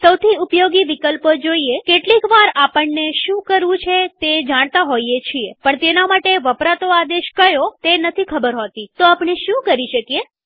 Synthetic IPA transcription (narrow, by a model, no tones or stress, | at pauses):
səwt̪ʰiupjoɡiʋikəlpəd͡ʒoiekeʈlikʋaɾapəɳneʃũkəɾʋũt͡ʃʰet̪ed͡ʒaɽ̃t̪aɦoiet͡ʃʰiepəɳt̪enamaʈeʋəpɾat̪oad̪eʃkəjot̪enət̪ʰikʰəbəɾɦot̪it̪oapɳeʃũkəɾiʃəkije